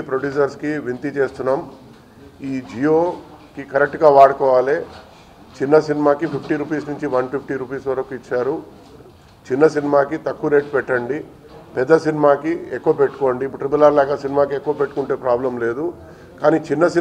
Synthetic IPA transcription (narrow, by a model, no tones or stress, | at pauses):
pɾoɖjuːd͡ʒɐɾskiʋint̪it͡ʃe̞ːst̪unːaːm | iːd͡ʒijoː | kikɐɾek̚ʈɡaːʋaːɽɐkɔːʋaːleː | t͡ʃinːɐsinimaːkipʰipʰʈiɾuːpiːsnuɲt͡ʃiʋɐnpʰipʰʈiɾuːpiːsʋɐɾɐkuit͡ʃːaːɾu | t͡ʃinːɐsinimaːkit̪ɐkːuɾeːʈpɛʈːɐɳɖi | pɛd̪ːɐsinimaːkiekːuʋɐpeʈːu̥koːɳɖiːpːuʈɾibulaɾlaːɡɐsinimaːkiekːuʋɐpeʈːukuɳʈeːpɾaːblɐmle̞ːd̪u | kaːniːt͡ʃinːɐsi